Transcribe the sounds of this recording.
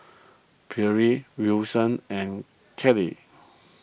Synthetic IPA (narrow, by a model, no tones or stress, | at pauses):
bʰɛɹiwisə̃nɛ̃n | kʰɛlḭ